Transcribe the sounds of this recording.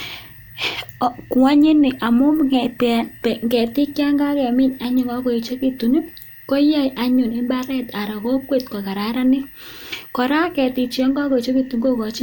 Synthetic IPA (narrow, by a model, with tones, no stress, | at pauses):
kwa˦ɲi˦nɪ˨ʔa˨mɔ˦mŋɛ˨pɛ˨pɛ˨ŋɡɛ˨tɪ˦kja˦ŋɡa˦kɛ˨mɪ˦ɲa˦ɲʊ˨ŋɡɔ˦kɔ˨i˨t͡ʃo˦ki˨tu˨ni˦p̚ | kɔ˦ja˦jʔa˨ɲʊ˨nɪ˦mba˦ɾɛ˦t̪a˨ɾa˨ko˦kwe˨t̚kɔ˨ka˨ɾa˨˦ɾa˦nɪ˦kɔ˨ɾa˦kɛ˨tɪ˨t͡ʃɔ˦ŋɡa˦kɔ˨t͡ʃo˦ki˨tu˨ŋɡo˦kɔ˨t͡ʃɪ˦